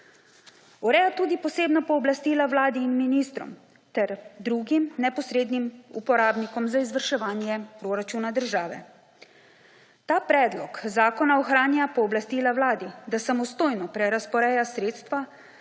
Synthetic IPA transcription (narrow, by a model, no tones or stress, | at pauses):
ɔɾɛːjat̪uːd̪ipɔseːbnɔpɔːblast̪iːlawlaːd̪iːnminiːst̪ɾɔ̰m | t̪ɛɾd̪ɾuːɡimnɛpɔsɾeːd̪nimṵpɔɾaːbnikɔmzaizʋəɾʃɛʋaːnjɛpɾoɾat͡ʃunad̪əɾʒaːʋɛ̰ | t̪aːpɾɛːd̪lɔkzaːkɔnaɔxɾaːnjapɔːblast̪iːlawlaːd̪id̪asamɔst̪oːjnɔpɾɛɾaspɔɾɛːjasɾeːt̪st̪ʋa